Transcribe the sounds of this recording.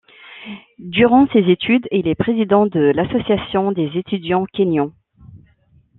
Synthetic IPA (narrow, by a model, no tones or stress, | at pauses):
d̪yʁɑ̃sezet̪ʰyd̪ilɛpχezid̪ɑ̃d̪əlasɔsjasjɔ̃d̪ezet̪ʰyd̪jɑ̃kʲenjɔ̃